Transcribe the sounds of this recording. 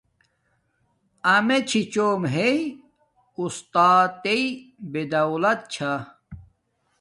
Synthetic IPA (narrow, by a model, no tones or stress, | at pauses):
ɐmet͡ɕʰit͡ɕoːmɦei | ust̪aːt̪eibed̪ɐulɐt̪̚t͡ɕʰa